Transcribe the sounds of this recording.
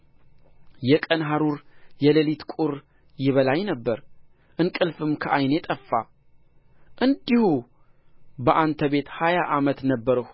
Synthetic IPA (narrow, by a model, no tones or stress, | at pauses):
jɛkʼənɦaɾuɾjɛləlit̪kʼuɾ | jɪβəlajnəbːəɾ | ʔɨnkʼɨlfɨmkʰəʔajnjɛt̪ʼəfːa̰ | ʔɨnd̪ihu | bəʔant̪ʰəβe̞t̪hajaʔamət̪nəbːəɾəh